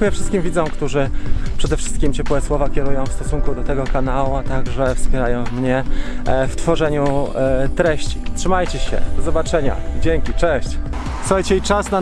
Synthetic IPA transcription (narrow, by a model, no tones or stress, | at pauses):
ujɛfʂɘst̪kʲimvʲid̪zɔ̃w̃kt̪uʐɘpʂɛd̪ɛfʂɘ̥st̪kʲimt͡ɕɛpwɛswɔvakʲɛɾujɔ̃w̃fst̪ɔsuŋkud̪ɔt̪ɛɡɔkanawuat̪aɡʐɛfspʲjɛɾajɔ̃w̃mɲɛft̪fɔʐɛɲut̪ɾɛɕt͡ɕi̥tʂɘmajt͡ɕɛɕɛ̰d̪̥ɔzɔbat͡ʂɛɲa̰id͡ʑeŋkʲit͡ʂɛɕt͡ɕ | suxajt͡ɕɛit͡ʂasna